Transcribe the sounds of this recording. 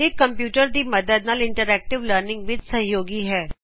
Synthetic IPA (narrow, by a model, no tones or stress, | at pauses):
ɪkːəmpjuːʈəɾd̪iːməd̪əd̪̚naːlɪɳʈəɾɛːk̚ʈɪʋləɾnɪ̃ŋɡʋɪt͡ʃsəɦijoːɡiːɦɛː